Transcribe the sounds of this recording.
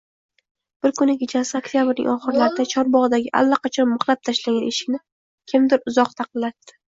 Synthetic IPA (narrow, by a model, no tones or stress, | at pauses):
b̥ɪɾkʰʊnɪkʲʰet͡ʃʰasɪok̚t̪ʰʲjabɪɾnɪ̰ŋʔɒχɨɾlaɾɪd̪at͡ʃʰɒɾbɒʁɨd̪aɡʲɪʔa̰lːaqʰɑt͡ʃʰɒnmʊχlˠap̚t̪ʰaʃlaɡʲaneʃɪ̥kʲnɪ | kʲʰɪmd̪ɪɾʊzɒqt̪ʰɑqɨlːat̪ːɪ̥